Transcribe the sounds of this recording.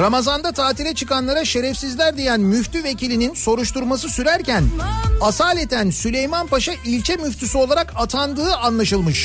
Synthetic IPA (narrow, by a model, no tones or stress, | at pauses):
ɾamazand̪at̪ʰaːt̪ʰiɾɛt͡ʃʰɯkanlˠaɾaʃe̞ɾɛfsizlʲæɾd̪ijænmyft̪ʰyve̞cilʲininso̞ɾuʃt̪uɾmas̬ɯsyɾæɾcænasaːlʲet̪ʰænsylʲe̞jmanpaʃaʔilʲt͡ʃʰɛmyft̪ʰysyo̞lˠaɾakat̪ʰand̪ɯːanlˠaʃɯlˠmɯʃ